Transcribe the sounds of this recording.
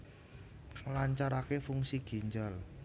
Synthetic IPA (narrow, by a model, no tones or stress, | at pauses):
laɲt͡ʃaɾakefuŋsiɡ̥i̤ɲd͡ʒal